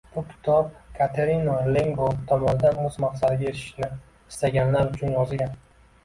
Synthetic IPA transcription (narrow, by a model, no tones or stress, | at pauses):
b̥ʊkʲʰɪ̥t̪ʰɒp̚kʰat̪ʰeɾinoleŋɡot̪ʰɒmɒnɪd̪anmʊzmaqsad̪ɪɡʲaet̪ɪ̥ʃnɪ | ɪst̪aɡʲanlaɾʊt͡ʃʰʊnjɒzɪɡʲan